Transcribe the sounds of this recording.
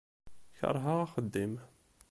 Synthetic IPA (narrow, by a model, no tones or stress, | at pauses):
çɑ̰ɾˤɦaʁaχəd̪ːim